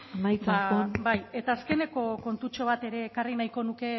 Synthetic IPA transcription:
amajt͡sbaobaje̞t̪aːske̞ne̞ko̞ko̞nt̪ut͡ʃo̞β̞at̪e̞ɾe̞ːkarinajko̞nuke̞

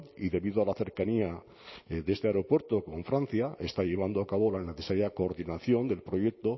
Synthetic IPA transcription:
iðe̞βiðoalaθe̞ɾkania | ðe̞st̪eaɾo̞pwe̞ɾt̪o̞ko̞ɱfɾan̟θjaʔe̞st̪aʎe̞β̞and̪oakaβo̞lane̞θesaɾjako̞ːɾðinaθjo̞nd̪e̞lpɾo̞je̞k̚t̪o̞

